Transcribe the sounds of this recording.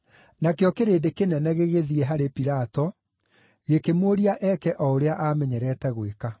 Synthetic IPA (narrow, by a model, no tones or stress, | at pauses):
nakejɔkeɾeːdekenɛnɛɣeɣeðiɛɦaɾepiɾatɔ | ɣekemoɾiaʔɛkɛʔɔoɾeaʔamɛɲɛɾɛːtɛɣweka